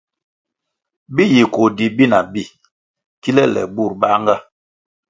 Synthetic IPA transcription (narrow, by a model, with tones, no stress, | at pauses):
bi˦ji˨ko˨di˨bi˦na˨bi˦˨ | ki˦lɛ˦lɛ̰˨bu˦˨ɾba˦ŋɡa˦